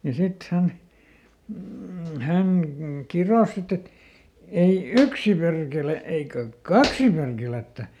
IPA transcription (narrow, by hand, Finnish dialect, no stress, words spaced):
jɑ sit hæn m̩ hæŋ kiroˑs sit et ei yksi perkele eikæ kɑksi perkeletːæ